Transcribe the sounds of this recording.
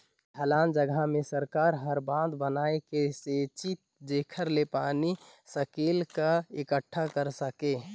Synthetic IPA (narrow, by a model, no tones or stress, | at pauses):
ʈʰəlaːnd͡ʒəɡʱamesəɾkaːɾɦəɾbãd̪bənaːekeset͡ʃit̪̚d͡ʒekʰəɾlepaːnisəkeːlkaekəʈʰːakəɾsəke